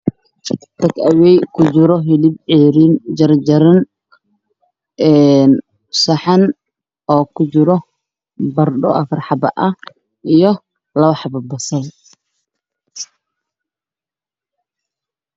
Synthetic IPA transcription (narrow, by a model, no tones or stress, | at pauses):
t̪ɐkʰɐwɛjkʰʊd͡ʒɪɾɔɦɪlɪb̚ʕɛːɾiːnd͡ʒɐrd͡ʒɐɾɐn | ɛn | sɐħɑn | ɔːkʰʊt͡ʃɪɾɔ | bɐrɖɔ̰ʔɐfɐrħɑbɐ̰ʔɐh | ijɔ | lɐβɐħɑbɐbɐsɐl